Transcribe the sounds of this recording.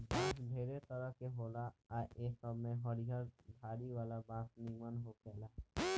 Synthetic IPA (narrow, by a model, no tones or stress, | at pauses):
baːsdʱeːɾet̪əɾəɦkeɦoːlaaːʔeːsɔmẽɦɔɾiɦəɾb̪ʱaːɾiʋaːlabaːt̪nimənɦokɛːlaː